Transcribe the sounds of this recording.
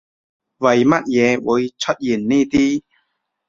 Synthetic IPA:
vɐ˨˩jmɐ˦˥t̚jɛː˨˧wṵ˨˦jt͡ɕʰə˧t̚ji˨˩nːi˥˩t̪i˥˩

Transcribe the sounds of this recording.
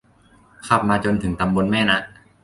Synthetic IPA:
kʰa˧˩p̚maː˧t͡ɕo˧nt̪ʰɯ˨˩˦ŋt̪a˧mbo˧nmɛː˥˩na˦˥ʔ

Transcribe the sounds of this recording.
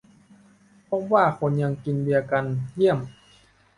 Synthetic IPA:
pʰɔ˧˥waː˥˩kʰo˧nɲa˧ŋki˧ndi˧ɐwka˧nji˥˩əm

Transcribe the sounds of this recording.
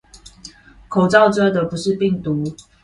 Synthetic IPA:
kʰo˨˩ʊt͡sɑ˥˨ʊʈ͡ʂɤ˥d̪ə˨pu˧˦ʂɻ̩˥˧pi˥˨ŋt̪u˨˦

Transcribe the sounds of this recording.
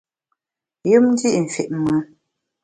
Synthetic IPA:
jɨ˦mn̩˦di˦ʔɱ̩˨fe˨ʔmə˨˦

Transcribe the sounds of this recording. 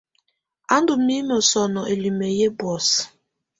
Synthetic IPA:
a˦ndu˨mi˦mɔ˨sɔ˨nɔ˨ʔe˨li˨me˨je˦bwɔ˨s

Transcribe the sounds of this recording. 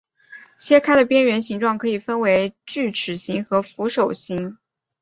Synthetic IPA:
t͡ɕʰjɛ˥kʰa˥ɪd̪ə˨˩pjɛ˥nɥɛ˧˥nɕi˧˥ŋʈ͡ʂwɑ˥˩ŋkʰɤ˧˥i˨˩fə˥nwe˧˥ɪt͡ɕy˥˩ʈ͡ʂʰɻ̩˨˩ɕi˧˥ŋxɤ˧˥fu˧˥ʂo˨˩ʊɕi˧˥ŋ

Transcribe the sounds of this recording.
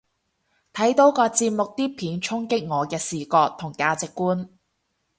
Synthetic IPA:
t̪ʰɐ˨˥jt̪o˨˥wkɔː˧t͡siː˧p̚mʊ˨k̚t̪iː˥pʰiː˨˧nt͡sʰʊ˥ŋkɪ˥k̚ŋɔː˨˧kɛː˧siː˨kɔː˧k̚t̪ʰʊ˨˩ŋkaː˧t͡sɪ˨kːuː˥n

